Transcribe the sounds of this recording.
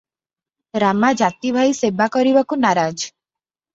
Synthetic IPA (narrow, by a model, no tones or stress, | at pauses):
ɾamad͡ʒat̪ibʱajsebakɔɾiʋakunaɾad͡ʒ